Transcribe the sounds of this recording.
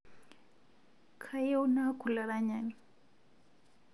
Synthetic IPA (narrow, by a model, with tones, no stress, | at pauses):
kʰa˦je˦u˦na˦kʰu˨la˨ɾa˦ɲani